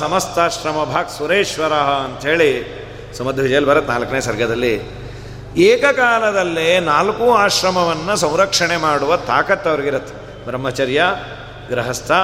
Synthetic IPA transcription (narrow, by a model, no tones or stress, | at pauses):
sɐmɐst̪aːʃɾɐmɐbʱaːɡsuɾeːʂʋɐɾaːɦɐɐnt̪ɐɦeːɭi | sɐmɐd̪ʱuʋid͡ʒɐjɐlibɐɾɐt̪naːlɐkɐneːsɐɾɡʱɐd̪ɐlːi | eːkɐkaːlɐd̪ɐlːenaːlkuaːʃɾɐmɐʋɐnːɐsɐ̃w̃ɾɐkʂɐɳemaːɽuʋɐt̪aːkɐt̪ːɐʋɐɾɡiɾɐt̪ːe̥ | bɾɐmːɐt͡ʃɐɾjɐ | ɡɾɐɦɐst̪ʰɐ